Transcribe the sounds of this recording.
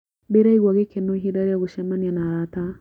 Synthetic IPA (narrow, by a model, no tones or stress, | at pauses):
beɾaiɣwɔɣekenoiɦiɾaɾeaɣoʃɛmanianaɾata